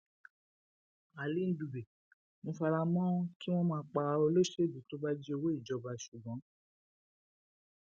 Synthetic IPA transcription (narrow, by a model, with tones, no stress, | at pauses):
a˨li˨˦n̩˦du˨be˨ | mõ˧fa˧ɾa˧mɔ̃˦ki˦w̃ɔ̃˦mãː˧˦k͡pa˧ɾa˧o˧lo˦ʃe˦˨dĩ˨to˦ba˦d͡ʒi˦o˧we˦i˦˨d͡ʒɔ˧ba˧ʃu˨bɔ̃˨˦